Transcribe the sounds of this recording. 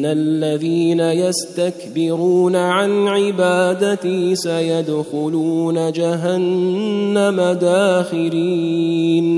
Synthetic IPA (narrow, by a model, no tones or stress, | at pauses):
alːaðiːnajast̪akbɪɾuːnaʕanʕɪbaːd̪at̪isajad̪xʊluːnad͡ʒaɦanː | amad̪aːxɪliːn